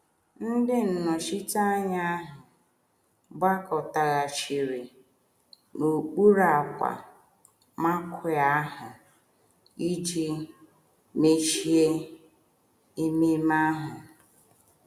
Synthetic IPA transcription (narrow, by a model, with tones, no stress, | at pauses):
n̩˦dɪ˦n̩˨nɔ˨ʃi˦ta˦ɲa˦a˦ɦʊ˨ | ɡ͡ba˦kɔ˨ta˨ɣa˨t͡ʃi˨ɾe˨ | no˨k͡pu˦ɾa˨kʷa̰˨ | ma˦kʷʰa˦ɦʊ˨ | i˦d͡ʒi˦ | me˦ʃi˦e˦ | e˦me˦ma˦ɦʊ˨